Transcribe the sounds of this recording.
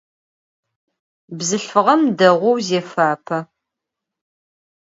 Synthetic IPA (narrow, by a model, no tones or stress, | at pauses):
bzɨɬfɨʁɐmdɐʁʷʊwzeːfaːpʰɐ